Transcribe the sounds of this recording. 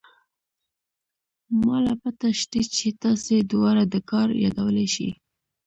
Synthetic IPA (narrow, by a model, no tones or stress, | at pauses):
mɑlapət̪aʃt̪it͡ʃet̪ɑsed̪wɑɾad̪əkɑɾjɑ̰d̪awəleʃḭ